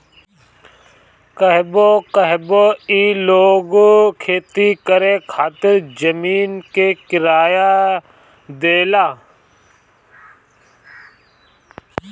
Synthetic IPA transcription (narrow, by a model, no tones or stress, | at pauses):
kəɦbokəɦboiːloːɡkʰeːt̪ikəɾekʰaːt̪ɪɾd͡ʒəmiːnkekɪɾaːja | d̪eːlaː